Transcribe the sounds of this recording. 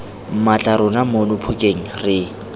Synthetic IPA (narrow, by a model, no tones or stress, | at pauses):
m̩mat͡ɬʼaɾʊnamʊnʊpʰʊkʼeŋ̩rɪ